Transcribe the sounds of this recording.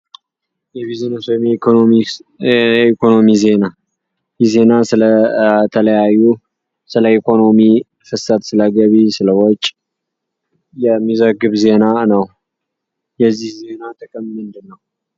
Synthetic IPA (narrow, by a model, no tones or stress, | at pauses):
jɛβizonosomɛm | ikʰo̞no̞mize̞na | jɛze̞nasɨlət̪ʰələjajːu | sɨləikʰo̞no̞mi | fɨsət̪sɨləɡəβisɨləwot͡ʃʼː | jɛmːizəɡɨβze̞nanəw | jɛzːihze̞nat̪ʰəkʼəmmɨnd̪ɨnːəw